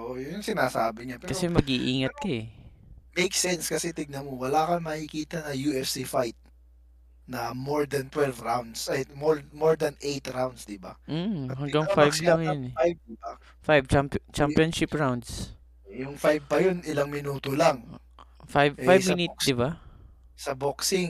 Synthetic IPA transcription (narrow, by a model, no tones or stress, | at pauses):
oʔjʊŋsɪnaːsaːbɪɲapɛkɐsɛmɐɡʔiʔiːŋɐt̪̚kɐɛ | mejk̚sɛnskɐsɛt̪ɪɡ̚nɐmowɐlaːkɐmɐkɪkiːt̪ɐnɐjuːɛfsifajt̪̚ | nɐmoɹd̪ɐnt̪wɛlvɾawnd̪sʔɐjmoɹmoɹd̪ɐnʔejt̪ɾawnd̪sd̪ɪba̰m̩hɐŋɡaŋffajblaŋjonɛajb̚a | fajbt͡ʃampt͡ʃampjonʃɪpɹawnd̪s | jʊŋfajb̚pɐjonɪlaŋmɪnuːt̪olaŋ | fabfajbminɪt̪̚d̪ɪba | sɐboksɪŋ